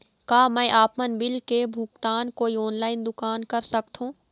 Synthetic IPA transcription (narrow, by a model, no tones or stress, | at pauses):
kaːmɛ̃ːʔaːpmənbɪlkebʱuːkt̪aːnkoːiɔːnlaːɪnd̪ʊkaːnkɐɾsɐkt̪ɦũː